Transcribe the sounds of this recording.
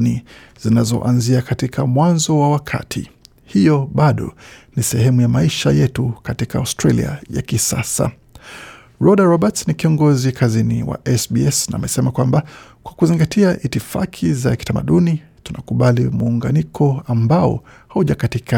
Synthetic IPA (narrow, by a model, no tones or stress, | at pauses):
ni | z̥inazɔ̰ʔanziakatikʰamwanzɔwawakʰa̰tʰḭ | hijɔɓaɗɔ̰nisɛhɛmujamaiʃajɛtukatikaaustɾalḭa̰ja̰kisa̰sa̰ | ɹɔɗaɹɔɓatsnikiɔŋɡɔzikʰaziniwa̰ʔɛsbiɛsnaːmɛsɛmakwambakwakuziŋɡatʰiaʔitifa̰kʰizaki̥tama̰ɗuni | tunakuɓalimuːŋɡa̰nikʰɔambaɔ̰hauʄakatika